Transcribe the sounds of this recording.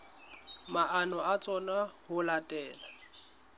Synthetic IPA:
maʔanɔat͡sʼɔnahʊlatʼɛːla

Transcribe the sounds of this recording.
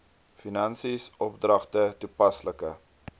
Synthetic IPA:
finɐnsisɔpdrɐχtətupɐsləkə

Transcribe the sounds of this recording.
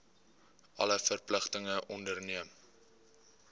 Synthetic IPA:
ʔɐ̰ləfərpləχtəŋəʔɔndərniəm

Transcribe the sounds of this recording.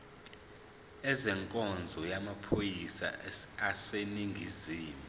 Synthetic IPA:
ɛzɛŋkʼɔnd͡zʱɔjamapʰojisa̰aseniŋɡʱiziːmu

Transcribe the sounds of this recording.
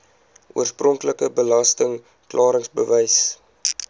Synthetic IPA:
ṵərsprɔŋkləkəbəlɐstəŋ | klʔɑːɾəŋsbəvəjs

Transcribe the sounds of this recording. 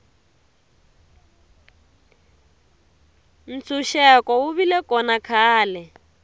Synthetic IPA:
n̩t͡sʰuʃɛkɔwuβilɛkɔnakʰaːlɛ

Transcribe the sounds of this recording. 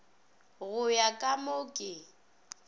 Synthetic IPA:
ɣʊjakʼamokʼɪ

